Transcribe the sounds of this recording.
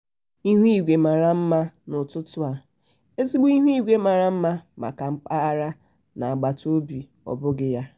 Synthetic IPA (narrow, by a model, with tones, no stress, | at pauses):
i˦ɦi˦˨ɡʷe˨ma˨ɾa˨m̩˦ma˦nʊ˨tʊ˦tʊ˦a˨ | e˦zi˦ɡ͡bu˦i˦ɦɡʷe˦ma˨ɾa˨m̩˦ma˦ma̰˨ka˨m̩˦k͡pa˦ɾa˦ | na˨a˨ɡ͡ba˨to˦bi˨ | ɔ̰˨bʊ˦ɡɪ˦ja˦